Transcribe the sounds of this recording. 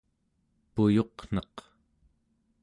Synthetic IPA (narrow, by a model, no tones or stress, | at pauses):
pujo̞qn̥ʌq